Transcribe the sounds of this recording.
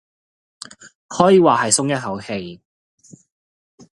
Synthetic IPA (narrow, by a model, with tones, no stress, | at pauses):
hɔː˨˥jiː˨˧waː˨˩hɐ˨jsʊ˥ŋjɐ˥t̚hɐ˨˥whe˧j